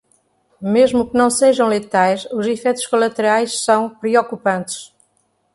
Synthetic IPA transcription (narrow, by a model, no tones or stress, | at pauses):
meʒmukɨnɐ̃w̃seʒɐ̃w̃lˠɨt̪ajʃuzifɛjt̪u̥ʃkolˠɐt̪ɨɾajʃsɐ̃w̃pɾɨokupɐ̃nt̪ɨ̥ʃ